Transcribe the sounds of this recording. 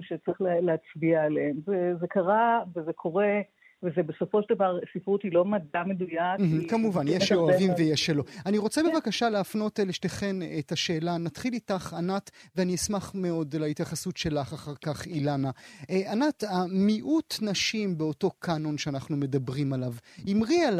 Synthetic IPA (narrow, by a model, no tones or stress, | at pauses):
ʃet͡sʁiχlleat͡sbiaːleemzezekaʁavezekʰo̞ʁe | vezebeso̞fo̞ʃeld̪avaʁsifʁut̪ilo̞madamed̪ujam̩kamuvanjeʃeoavimvejeʃelo̞aniʁo̞t͡sebevakaʃaleafno̞teliʃteχenetaʃe̞ːlanatχilitaχanatveaniismaχme̞o̞dlaitjaχasutʃe̞laχaχaʁkaχilanaanatamiʔut̪naʃimbeoto̞kʰano̞nʃeanaχnume̞dabʁimalavimʁial